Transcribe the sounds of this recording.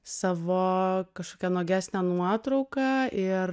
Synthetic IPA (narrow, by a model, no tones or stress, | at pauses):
sɑːʋoːkɐʃkoːkʲɛnoːɡʲæːsʲnʲænuɔt̪ɾɐʊkɑɪr